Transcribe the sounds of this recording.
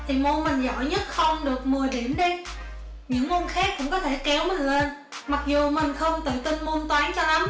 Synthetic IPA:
t̪ʰi˨˩mo˧nmï˨˩ŋ̟zɔ̰˧˨jɲə˦˥t̚xə˧wŋ͡mɗɨ˨˩ək̚mɨ˨˩əɗi˧˩əmɗə˧˦ | ɲɨ̰˧˥ŋmo˧nxaː˦˥k̚kʊ̰˧˥ŋ͡mkɔ˨˦t̪ʰe˧˩kɛ˨˦wmə˨˦jlə˧n | ma˨˩k̚zu˨˩mï˨˩ŋ̟xə˧wŋ͡mt̪ɨ̰˧˨t̪i˧nmo˧nt̪waː˨˦nt͡ɕɔ˧la˨˦m

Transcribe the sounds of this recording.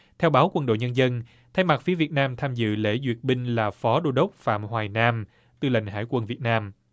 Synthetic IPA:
t̪ʰɛ˧wɓaː˨˦wkwə˧nɗo̰˧˨jɲə˧nzə˧n | t̪ʰa˧jma˨˩t̚fi˨˦əvi˨˩ət̚naː˧mt̪ʰaː˧mzɨ̰˧˨lḛ˧˥zwḭ˨˩ət̚ɓï˧ŋ̟laː˨˩fɔ˨˦ɗo˧ɗə˦˥wk͡p̚fa̰ː˧˨mhwaː˨˩jnaː˧m | t̪ɨ˧la̰˧˨jŋ̟ɦa̰ː˧˥jkwə˧˩nvi˨˩ət̚naː˧m

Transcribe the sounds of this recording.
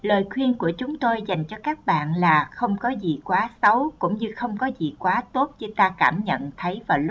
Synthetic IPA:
ləː˨˩jkʰwi˧ənku˧˩ət͡ɕʊ˨˦ŋ͡mt̪o˧jza˨˩jŋ̟t͡ɕɔ˧kaː˦˥k̚ɓa̰ː˧˨nlaː˨˩xə˧wŋ͡mkɔ˨˦zi˨˩kwaː˨˦sa˨˦wkʊ̰˧˥ŋ͡mɲɨ˧xə˧wŋ͡mkɔ˨˦zi˨˩kwaː˨˦t̪o˦˥t̚ɲɨ˨˦t̪aː˧kaː˧˩mɲə̰˧˨nt̪ʰə˨˦jvaː˨˩wlʊ˦˥

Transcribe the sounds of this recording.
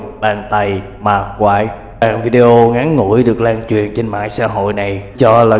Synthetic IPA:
ɓaː˨˩ŋt̪a˨˩j | maː˨˩kwaː˧˩j | ɓaː˨˩ŋvi˧ɗe˧ʔo˧ŋa˨˦nːṵ˧˩˥jɗɨ˨˩ək̚laː˧˩ŋt͡ɕwḭ˨˧˨ənt͡ɕe˧nma̰ː˧˨jsa̰ː˧˥ɦo̰˧˨jna˨˩jt͡ɕɔ˧la˨˩

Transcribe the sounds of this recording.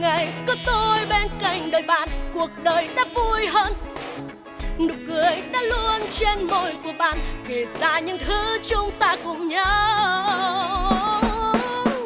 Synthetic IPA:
ŋa˨˩jkɔ˨˦t̪o˧jɓe˧nka˧˩jŋ̟ɗəː˨˩jɓa̰ː˧˨nku˨˩ək̚ɗəː˨˩jɗaː˧˥vu˧əjɦəː˧n | nɨ˨˩w̚kɨ˨˩əjɗaː˧˥lu˧ənt͡ɕe˧nmo˧˩jku˨˩əɓa̰ː˧˨nke˨˩zaː˧˩ɲɨ̰˧˥ŋt̪ʰɨ˨˦t͡ɕʊ˧ŋ͡mt̪aː˧kʊ̰˧˥ŋ͡mɲəː˧˦

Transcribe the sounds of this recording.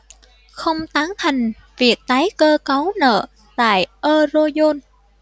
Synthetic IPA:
xə˧wŋ͡mt̪aː˨˦ŋt̪ʰa˨˩jŋ̟ | vi˨˩ək̚t̪aː˨˦jkəː˧kə˨˦wnə̰ː˧˨ | t̪a̰ː˧˨jʔəː˧zo˧zo˧n

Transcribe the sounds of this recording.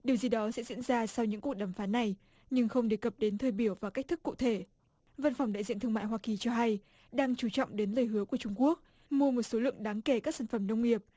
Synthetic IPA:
ɗi˨˩əwzi˨˩ɗɔ˨˦sɛ̰˧˥zḭ˧˥ənzaː˧sa˧wɲɨ̰˧˥ŋku˨˩ək̚ɗaː˧˩mfaː˨˦nːa˨˩j | ɲɨ˧ŋxə˧wŋ͡mɗe˨˩kə˨˩p̚ɗe˨˦nt̪ʰəː˧jɓi˧˩əwvaː˨˩ka˦˥k̚t̪ʰɨ˦˥kːṵ˧˨t̪ʰe˧˩ | və˧nfa˧˩wŋ͡mɗa̰ː˧˨zḭ˧˨nt̪ɨ˧ŋma̰ː˧˨jɦwaː˧ki˨˩t͡ɕɔ˧ɦa˧j | ɗaː˧ŋt͡ɕu˧˩t͡ɕɔ̰˧˨wŋ͡mɗe˨˦nləː˨˩jɦɨ˨˦əku˧˩ət͡ɕʊ˧ŋ͡mku˦˥ək̚ | mu˧əmo˨˩t̚so˨˦lɨ̰˧˨əŋɗaː˨˦ŋke˧˩kaː˦˥ksaː˧˩n̟fə˧˩mnə˧wŋ͡mŋi˨˩əp̚

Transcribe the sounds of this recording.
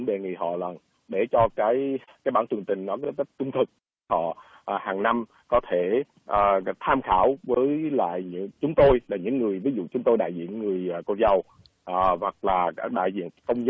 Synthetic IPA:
ɗe˨˩ŋḭ˧˨ɦɔ̰˧˨lə˨˩n | ɗe˧˩t͡ɕɔ˧kaː˨˦jkaː˨˦jɓaː˧˩nt͡ɕɨ˨˩ŋt͡ɕ̪ï˨˩ŋ̟nɔ˨˦k̚t̪ə˦˥t̚t͡ɕʊ˧ŋ͡mt̪ʰɨ˨˩k̚ | hɔ̰˧˨ | ʔhaː˨˩ŋna˧m | kɔ˨˦t̪ʰe˧˩ | ʔəː˨˩t̪ʰaː˧mxaː˧˩wvəː˨˦jla̰ː˧˨jɲɨ̰˧˥t͡ɕʊ˨˦ŋ͡mt̪o˧jlaː˨˩ɲɨ̰˧˥ŋːɨ˨˩əjvi˨˦zṵ˧˨t͡ɕʊ˨˦ŋ͡mt̪o˧jɗa̰ː˧˨jzḭ˧˨ənŋɨ˨˩əjːko˧t̚zə˧˩w | ʔːva˨˩k̚laː˨˩kaː˦˥k̚ɗa̰ː˧˨jzḭ˧˨ənkə˧wŋ͡mz

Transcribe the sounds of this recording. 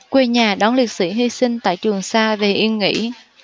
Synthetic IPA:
kwe˧ɲaː˨˩ɗɔ˨˦nli˨˩t̚sḭ˧˩˥ɦi˧sï˧ŋ̟t̪a̰ː˧˨jt͡ɕɨ˨˩əŋsaː˧ve˨˩ʔi˧ənŋḭ˧˥

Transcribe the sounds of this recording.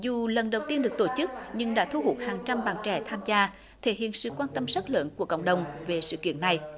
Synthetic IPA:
zu˨˩lə˨˩nɗə˨˩wt̪i˧ənɗɨ˨˩ək̚t̪o˧˩t͡ɕɨ˦˥k̚ɲɨ˧ŋɗa̰ː˧˥t̪ʰu˧ɦu˦˥k̚haː˨˩ŋt͡ɕa˧mɓaː˨˩nt͡ɕɛ˧˩t̪ʰaː˧mzaː˧ | t̪ʰe˧˩ɦḭ˧˨ənsɨ̰˧˨kwaː˧nt̪ə˧msə˦˥t̚lə̰˧˥nku˧˩əkə̰˧˨wŋ͡mɗə˨˩wŋ͡mve˨˩sɨ̰˧˨kḭ˧˨ənːa˨˩j

